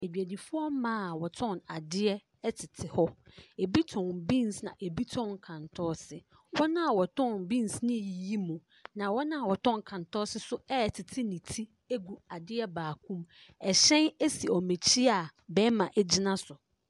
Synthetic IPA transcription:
e˨d͡ʑᶣæ˨di˨fʊ˦ɔ˦m˦mãː˦a˨wɔ˨tʰɔ̃˦˨na˨dɪ˦ɛ˦ | ɛ˦tʰɪ˨tʰɪ˨hɔ˦e˨bi˦tʰɔ̃˨nbĩ˦˨nsnã˨ʔe˨bi˦tʰɔ̃˦ŋ˨kʰã˨ntʰɔː˦sɪ˦ | wɔ˦nã˦a˨wɔ˨tʰɔ̃˦˨nbĩ˦nsnɪ̃˦˨ji˨ji˦mũ˨ | nã˨wɔ˦nã˦a˨wɔ˨tʰɔ̃˦ŋ˨kʰã˨ntʰɔ˦sɪ˦sʊ˦ɛ˦˨tʰɪ˨tʰɪ˦nĩ˨tʰi˦ | e˦ɡu˨a˨dɪ˦ɛ˦baː˨kʰũ˦m | ɛ˨ɕɛ̃˦ne˦si˨ɔ˨me˨t͡ɕʰi˦a˨bɛ˦mã˨ʔɛ˦d͡ʑɪ˦nã˦sʊ˨

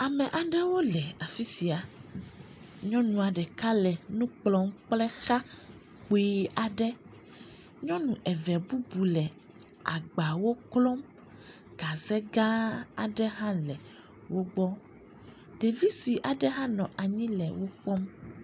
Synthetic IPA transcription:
a˨mɛ̃˨ʔa˨ɖɛ˦wo˦lɛ˨a˨fi˦si˨a˨ | ɲɔ̃˦nũ˨a˨ɖɛ˨ka˦lɛ˨nũ˦k͡plɔ̃˦mk͡plɛ˦xa˦ | k͡po˨˦i˦a˨ɖɛ˦ | ɲɔ̃˦nũ˨ʔɛ˨vɛ˨bu˦bu˨lɛ˨ | a̰˨ɡ͡ba˨wo˦klɔ˦m | ɡ̥a˨zɛ˦ɡã˦a˨ɖɛ˦ɦã˦lɛ˨ | wo˦ɡ͡bɔ˦ | ɖ̥ɛ˨vi˦si˨ʔa˨ɖɛ˦ɦã˦nɔ̃˨ʔa˨ɲĩ˦lɛ̰˨wo˦ɸɔ˦m

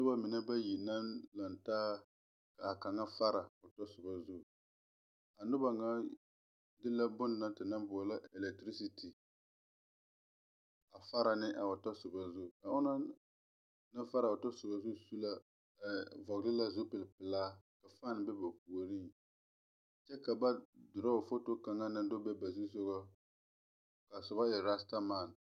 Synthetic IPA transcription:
nʊ˦ba˦mɪ˨na˦ba˦ji˨na˦nla˨ntaː˦ | ka˨a˨ka˨ŋa˦fa˦ɾa˨ʊ˨tɔ˦sʊ˨ba˦zu˦˨ | a˨nʊ˦ba˨ŋa˦ | dɪ˦la˦bʊ˦n˨na˦ntɪ˨na˦mbʊ˨la˦ɛ˨lɛ˨k̚tɾi˦si˨tʰi˨ | a˨fa˦ɾa˨nɪ˦ʔa˨ʊ˨tɔ˦sʊ˨ba˨zu˦˨ka˨ʊ˦na˦ | na˦fa˦ɾa˨ʊ˨ta˦sʊ˨ba˨zʊ˦su˦la˦˨ | vɔ˨ɡlɪ˦la˦zʊ˦pɪ˨lpɪ˨laː˦ka˨faː˦n˨bɛ˦ba˨p̚u˨o˨ɾi˦ | t͡ʃɛ˦ka˨ba˦dʊ˨ɾa˦o˨fo˦to˦ka˨ŋa˦na˦dʊ˦bɛ˦ba˨zi˦so˦ɣa˦ | ka˨sʊ˨ba˦jɛ˨ɾa˦sta˦ma˨n

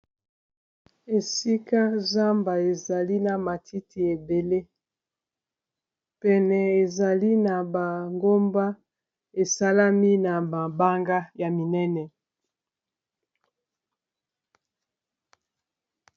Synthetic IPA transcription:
e˨si˦ka˦za˦mba˨e˨za˨li˦na˨ma˨tʰi˦ti˨e˨be˨le˦ | pɛ˨nɛ˨e˨za˨li˦na˨ba˨ŋɡo˦mba˦ | e˨sa˦la˦mi˦na˨ba˨ba˦ŋɡa˦ja˨mi˨nɛ˦nɛ˨

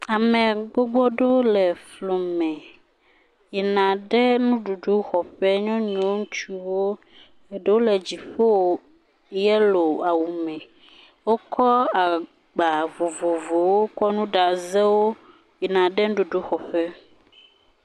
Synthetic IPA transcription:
a˨mɛ̃˨ɡ͡bo˦ɡ͡bɔ˦ɖo˦lɛ˨flo˨mɛ̃˨ | ji˨nã˨ɖɛ˦nũ˦ɖu˨ɖu˦xɔ˨ɸɛ˦ɲɔ̃˦ɲ˦õ˦ŋũ˦t͡ʃu˦wo˦ | e˨ɖe˦wo˦lɛ˨d͡ʑi˨ɸo˦wo˨ | jɛ˦lo˨a˨wu˨mɛ̃˨ | wo˦kʰɔ˦a˨ | ɡ͡ba˨vo˨vo˨vo˨wo˦kɔ˦nũ˦ɖa˨zɛ˦wo˦ | ji˨nã˨ɖɛ˦nũ˦ɖu˨ɖu˦xɔ˨ɸɛ˦

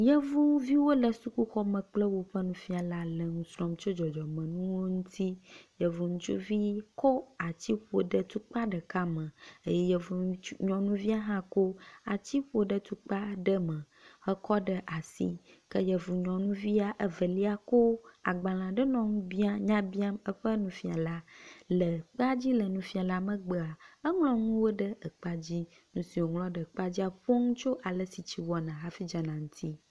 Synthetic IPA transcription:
jə˦vu˦vi˦wo˦lə˨su˦ku˦xɔ˦mə̃˨k͡plə˦wo˦ɸə˦nũ˨fi˦a˨la˨lə˨ŋũ˦sɾɔ˨mt͡ʃo˦d͡ʒɔ˨d͡ʒɔ˨mə̃˨nũ˦wo˦ŋũ˦t̪ʰi˦jə˨vu˨ŋũ˦t͡ʃṵ˦vi˦kɔ˦a˨t͡ɕi˦ɸu˦o˨ɖə˦t̪u˦k͡pa˦ɖə˨ka˦mə̃˨e˦jɛ˦jɛ˦vu˨˦ɲɔ̃˨nũ˦vi˦a˦ɦã˦ko˦a˨t͡ɕi˦ɸo˨ɖə˨t̪u˦k͡pa˦ɖə˦mə̃˨ | hə˦kɔ˦ɖə˦ʔa˨sḭ˦ | kə˦jə˨vu˨ɲɔ̃˨nũ˦vi˦a˨ʔə˦və˨li˦a˦ko˦a̰˨ɡ͡bã˨l̃ã˨ɖə˦nɔ̃˨ŋũ˦bi˦a˦ɲã˦bi˦a˦mə˦ɸə˦nũ˦fi˨a˨la˦lə˨k͡pa˦d͡ʑi˦lə˨nũ˨fi˦a˨la˦mə̃˦ɡ͡bə˨a˨ə˦ŋlɔ̃˦ŋũ˦wo˦ɖə˦ə˨k͡pa˦d͡ʑi˦ | nũ˨si˨wo˨ŋlɔ̃˦ɖə˨k͡pa˦d͡ʑi˦a˨ɸo˦ŋũ˦t͡ʃo˦ʔa˨lə˦si˨t͡ɕi˦wɔ˦nã˨ɦa˦fi˦d͡ʒa˨nã˨ŋũ˦t̪ʰi˦

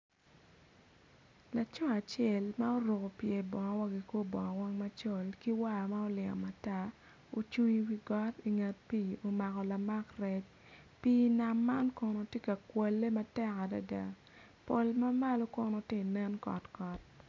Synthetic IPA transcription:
la˨t͡ʃɔ˦a˨t͡ʃɛ˨lma˦o˦ɾo˨ko˨pje˨bɔ˨ŋɔ˦wa˦ɡi˨ko˦bɔ˨ŋɔ˨wa˦ŋma˦t͡ʃo˦˨lki˦wa˦˨ma˦o˦lɪ˨ŋɔ̰˨ma˨ta˦ | o˨t͡ʃu˦ɲwi˦ɡɔ˦ti˨ŋɛ˨t̚piː˦˨o˨ma˨kɔ˨la˨ma˦krɛ˦t͡ʃ | piː˦na˨mːa˦nkɔ˨no˨tje˦ka˨kwɛ˨lːe˦ma˦tɛ˦ka˨da̰˨da̰˦ | po˨lma˦ma˦lo˦ko˨no˨tɪ˦˨nɛ˦nkɔ̰˨tkɔ˨t̚

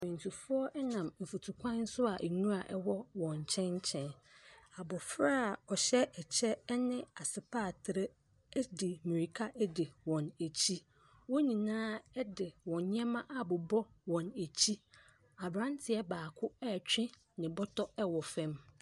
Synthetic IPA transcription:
mɪ̃˨n˨tʰu˨fʊ˦ɔ˦ʔɛ˦nã˨mm̩˨fu˨tʰu˨kʰʷã˦n̩˦sʊ˦a˨ʔe˨nũ˦a˨ʔɛ˦wɔ˦wɔ̃˨ɲ˨t͡ɕʰɛ̃˦n˦t͡ɕʰɛ̃˦na˨bɔ˨fɾa˦˨ɔ˨ɕɛ˦ɛ˨t͡ɕʰɛ˦nɪ̃˦a˨sɪ˨pʰaː˦˨tʰɪ˨ɾɛ˦ | dɪ˨mĩ˨ɾi˨kʰa˦ʔɛ˦dɪ˨wɔ̃˨ne˨t͡ɕʰi˦ | wɔ˦ɲĩ˨nãː˦ɛ˦dɪ˨wɔ̃˨ɲɛ̃˦mã˦ʔa˨bʊ˨bɔ˦ | wɔ̃˨ne˨t͡ɕʰi˦ | a˨bɾã˦n˦tʰɪ˨˦ɛ˦baː˨kʰʊ˦ɛ˦˨t͡ɕᶣɪ̃˦ | nɪ̃˨bɔ˦tʰɔ˦ɛ˦wɔ˨fɛ̃˦m

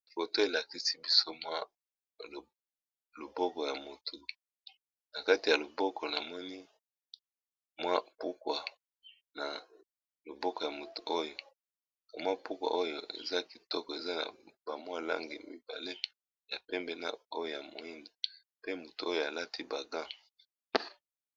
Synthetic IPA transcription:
fo˨to˦e˨la˨ki˦si˦bi˦so˦mwa˦˨ | lo˨bɔ˦kɔ˨ja˨mo˨tʰo˨ | na˨ka˦ti˨ja˨lo˨bɔ˦kʰɔ˨na˨mɔ˦ni˦ | mwa˦pu˦kwa˨ | na˨ | lo˨bɔ˦kɔ˨ja˨mo˨tu˨ʔo˦jo˨ | a˨mwa˦pu˦kwa̰˨ʔo˦jo̰˨ḛ˨za˦ki˨tɔ˦kɔ˨e˨za˦na̰˨ba˨mwa˦la̰˦ŋɡḭ˨mḭ˦ba̰˨le˦ | ja˨pɛ˦mbɛ˦na̰˦o˦jo˦˨ja˨mo̰˨i˦nda˨ | pe˦mo˨tu˨o˦jo˨a˨la˦tʰi˦ba˨ɡã˦

